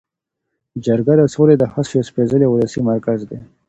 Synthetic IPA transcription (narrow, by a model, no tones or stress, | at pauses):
d͡ʒəɾɡad̪əsoled̪əhasjospezəlewʊləsimaɾkazd̪e